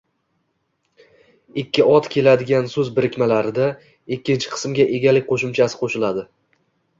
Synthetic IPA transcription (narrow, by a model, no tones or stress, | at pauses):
ɪkʲːɪɒt̪kʲʰe̞lad̪ɪɡʲansɵzbɪɾɪkʲmalaɾɪd̪a | ɪkʲːɪnt͡ʃʰɪ̥qʰɨ̥smɡʲaʔe̞ɡʲalɪk̚ʲqʰoʃɪmt͡ʃʰasɪ̥qʰoʃɪlad̪ɪ